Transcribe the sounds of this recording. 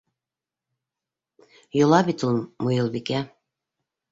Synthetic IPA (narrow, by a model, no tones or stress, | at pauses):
jŏlˠɑbit̪unmujɤ̆lˠbikæ